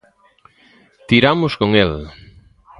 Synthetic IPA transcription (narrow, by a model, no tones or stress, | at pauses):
t̪iɾamʊskoŋel